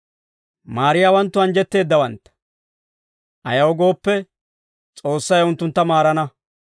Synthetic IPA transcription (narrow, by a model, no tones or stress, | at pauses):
maːɾɪjaːwɐnt̪ːʊɐnd͡ʒɛt̪ːe̞ːd̪ːɐwɐnt̪ːɐ̥ | ʔɐjɐwɔɡo̞ːpːɛ | t͡sʼo̞ːsːɐjʊnt̪ːʊnt̪ːɐmaːɾɐnɐ